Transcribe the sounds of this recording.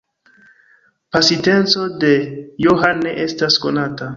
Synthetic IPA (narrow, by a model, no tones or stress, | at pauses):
pasite̞nt͡so̞de̞joɦanːe̞ʔe̞stasko̞̰nata